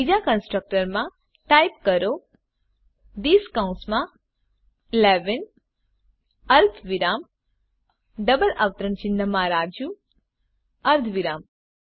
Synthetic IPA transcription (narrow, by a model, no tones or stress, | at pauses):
bid͡ʒakənsʈɾək̚ʈəɾmã | ʈaip̚kəɾo | d̪iːskaũnsmã | leʋin | əɾt̪ʰʋiɾam | ɖəbəlaʋt̪ɾəɳt͡ʃɪnːəmãɾad͡ʒũ | əɾd̪ʰʱʋiɾam